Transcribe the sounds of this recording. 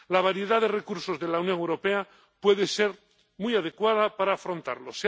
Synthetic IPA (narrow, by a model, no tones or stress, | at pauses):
laβ̞aɾje̞ðaðe̞re̞kuɾso̞zðe̞lawnjo̞ŋewɾo̞pe̞a | pwe̞ðe̞se̞ɾ | mujaðe̞kwaðapaɾaːfɾo̞nt̪a̰ɾlo̞s